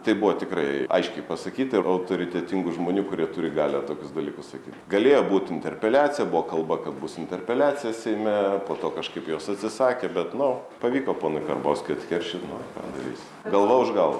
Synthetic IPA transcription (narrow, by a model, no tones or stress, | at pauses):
t̪ɐɪbʊʋoːt̪ʲɪkɾɐɪɐ̰ɪʃʲkʲɛɪpɐsɐkʲiːt̪ɐɪɐʊt̪oːɾʲɪt̪ʲɛt̪ʲɪŋɡʊʒmoːnʲuːkʊɾʲiɛt̪ʊɾʲɪɡɑːlʲɛt̪oːkʲʊsd̪ɐlʲiːkʊssɐkʲiːt̪ʲɡɐlʲeːjoːbuːt̪ʲɪnʲt̪ʲɛrʲpʲɛlʲæːt͡s̪ʲɪjɛbʊʋoːkɐlˠbɐkɐt̪̚bʊsɪnʲt̪ʲɛrʲpʲɛlʲæːt͡sʲɪjɛsʲɛɪmʲɛpoːt̪oːkɐʃkɐɪpjoːsɐt̪ʲsʲɪsɑːkʲebʲɛt̪nʊ | pɐʋʲiːkoːpoːnʊɪkɐrbo̰ːsʲkʲɪɐt̪ʲkʲɛrʲʃʲɪt̪nʊkɑ̰ːd̪ɐ̰ɾʲḭsʲ | ɡɐlˠʋɐʊʒɡɐlˠʋɐ